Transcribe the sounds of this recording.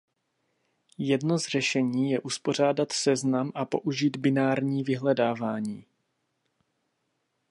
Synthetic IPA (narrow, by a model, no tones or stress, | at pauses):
jɛdno̞zr̝ɛʃɛɲiːjɛʔuspo̞r̝aːdat̪sɛznamʔapo̞ʔuʒiːd̪bɪnaːɾɲiːvɪɦlɛdaːvaːɲiː